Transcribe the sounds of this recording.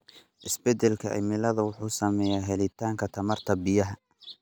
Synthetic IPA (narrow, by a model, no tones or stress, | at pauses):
ʔɪsbɛd̪ɛlkʰɐ̰ʔɪ̰mɪlɐðɐwʊħuːsɐmɛjaɦɛlɪt̪ʰaːŋkʰɐt̪ʰɐmɐrt̪ʰɐbɪjɐɦɐ